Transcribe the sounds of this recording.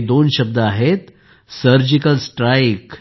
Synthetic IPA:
d̪onɕəb̚d̪əaɦet̪ | səɾd͡ʑikəlsʈɾajk

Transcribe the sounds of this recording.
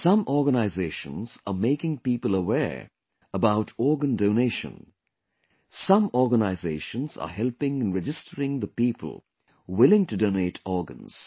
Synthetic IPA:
sʌ̃mʔɔɹɡənaɪzeɪʃə̰̃nz̥ə̰meɪkɪ̃ŋpiːpəlˠəwɛɹ | əbaʊtʰɔɹɡə̃ndoʊneɪʃə̰̃n | sʌ̃mɔɹɡənaɪzeɪʃə̃nz̥ə̰hɛlˠpɪ̃ŋɨ̃nɹɛd͡ʒɪstʰəɹɪ̃ŋðəpiːpʰə̰lˠ | wɪlɪ̃ŋtɨdõʊneɪtʰɔɹɡə̰̃nz̥

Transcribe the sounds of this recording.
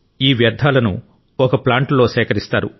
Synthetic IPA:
iːʋjɐɾd̪ʱaːlɐnṵ | ɔkɐplaːɳʈlo̞ːsɛːkɐɾist̪aːɾu

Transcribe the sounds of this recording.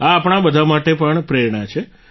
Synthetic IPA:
aːpɳ̃abəd̪ʱamaʈepəɳpɾeɾɳ̃at͡ʃʰe

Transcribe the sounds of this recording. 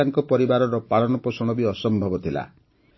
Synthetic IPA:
aŋkɔpɔɾibaɾɔɾɔpaɭɔnɔposɔɽ̃ɔbiɔsɔmbʱɔbɔt̪ʰila̰

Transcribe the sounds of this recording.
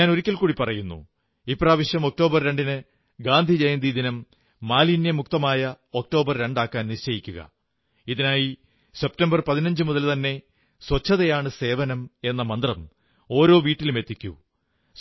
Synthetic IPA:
aːno̞ɾikʲːɐlkuːɽipɐrɐjunːṵ | ipːraːʋɐɕjɐmo̞k̚ʈo̞ːbɐrɾe̞ɳɖinɨ | ɡaːnd̪ʱid͡ʑejnd̪ʱid̪inɐmː | aːlinjɐmuk̚t̪ɐmaːjɐ | o̞k̚ʈo̞ːbɐrɾe̞ɳɖaːkːaːnnit͡ɕɐjikʲːuɣɐ̰ | iðinaːji | se̞p̚tɐmbɐrpɐðinɐɲd͡ʑɨmuðɐlt̪ɐnːe̞ | swɐt͡ɕʰːɐðɐjaːɳɨse̞ːʋɐnɐme̞nːɐmɐnd̪rɐm | o̞ːɾo̞ːʋiːʈːilume̞t̪ːikʲːṵ

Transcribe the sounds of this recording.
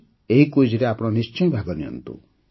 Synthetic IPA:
eɦikojd͡ʒiɾeapɔɽ̃ɔnist͡ʃɔjbʱaɡɔniɔ̰nt̪ṵ

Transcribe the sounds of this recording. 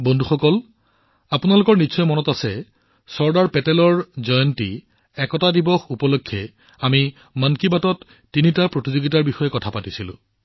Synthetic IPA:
bondʱuxɔkɔl | apunalʊkɔɹnisɔjmɔnɔtasɛ | sɔɹdaɹpɛtɛlɔɹzɔjɔntḭ | ɛkɔtadibɔxupɔlokʰːjɛ | ami | mankibatɔtː | initapɹotizoɡitaɹbixɔjɛkɔtʰapatisilʊ̰̃

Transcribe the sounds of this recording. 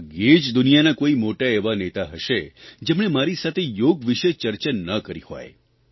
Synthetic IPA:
ɡed͡ʒd̪ʊnijanakoimoʈaeʋanet̪aɦəʃed͡ʒemɳ̃emaɾisat̪ʰejoɡʋiʃet͡ʃəɾt͡ʃanːəkəɾḭho̰j

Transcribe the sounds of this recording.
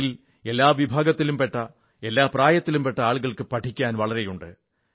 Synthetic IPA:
il | e̞lːaːʋibʱaːɡɐt̪ːilumpe̞ʈːɐ | e̞lːaːpraːjɐt̪ːilumpe̞ʈːɐaːɭɣɐɭkɨpɐʈʰikʲːaːnʋɐɭɐɾe̞juɳɖɨ̰

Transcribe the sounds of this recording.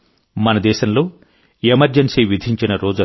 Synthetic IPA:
mɐnɐd̪ɛːʃɐmlo̞ː | emɐɾd͡ʒensiːʋid̪ʱiɲt͡ʃinɐɾo̞ːd͡ʒu

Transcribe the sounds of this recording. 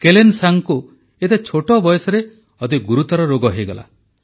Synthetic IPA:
kelensaŋku | et̪et͡ʃʰoʈɔbɔjɔsɔɾe | ɔt̪iɡuɾut̪ɔɾɔɾoɡɔɦejɡɔla̰

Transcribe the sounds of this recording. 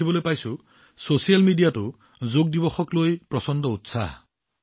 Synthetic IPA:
ibɔlojpajsu | sosijalmiɖijatu | zoɡ̚d̪ibɔxɔklojpɾɔsɔnd̪ɔut̪saɦ

